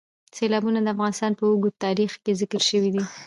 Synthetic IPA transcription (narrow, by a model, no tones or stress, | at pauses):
selɑbunad̪əafɣɑnɪst̪ɑnpəuɡut̪ːɑɾixkezɪkəɾʃəwid̪i